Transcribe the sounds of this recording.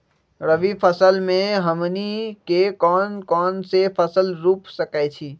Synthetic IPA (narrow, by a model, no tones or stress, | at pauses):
ɾəʋipʰəsəlmẽɦəmnikekɔːnkɔːnsepʰəsəlɾuːpsəkajt͡ʃʰiː